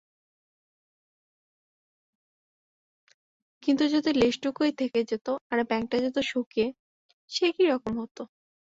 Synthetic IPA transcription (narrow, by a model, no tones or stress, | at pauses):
kint̪ud͡ʑot̪eleʃʈukojt̪ʰeked͡ʑet̪oaɾbɛŋk̚ʈad͡ʑet̪oʃukie | ʃekiɾɔkomɦot̪o